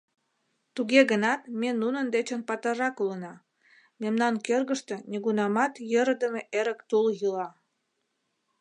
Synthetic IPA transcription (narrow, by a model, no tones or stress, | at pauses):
t̪uɣeɣənɑt̪menunənd̪et͡ɕənpɑt̪ərɑkulənɑ | memnɑnkørɣəʃt̪e̽neɣunɑmɑt̪jəɾəd̪əmeʔeɾəkt̪uljəlɑ